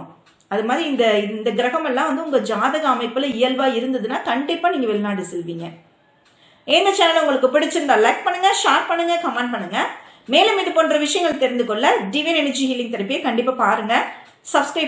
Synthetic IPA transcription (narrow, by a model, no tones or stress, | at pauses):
ɐðɯmaːðɾiɪnd̪ɐɪnd̪ɐɡɪɾɐɣɐmɛlːãːʋɐnd̪ɯʊŋɡɐd͡ʒaːðɐɣaɐmɐɪpːɯlɐɪjɐlʋaːɪɾɯnd̪ɐðɯnːaːkɐɳɖɪpːaːniːŋɡɐʋɛlɪnaːɽɯsɛlʋiːŋɡɐ | ɛːnd̪ɐt͡ʃaːnːɐlʊŋɡɐɭɯkːɯpɪɽɪt͡ʃːɪɾɯnd̪aːlɐk̚pɐɳːɯŋɡɐʂaːɾʈ̚pɐɳːɯŋɡɐkɐmaːɳɖ̚pɐɳːɯŋɡɐ | meːlɐmiːʈɯpoːɳɖɾɐʋɪʂɐjɐŋɡɐɭt̪ɛɾɪnd̪ɯkɔɭːɐɖiʋɛnɛnɐɾd͡ʒihiːlːɪŋɡ̚t̪ɐɾɯpːɪjeːkɐɳɖɪpːaːpaːɾɯŋɡɐ | sɐbsʈeː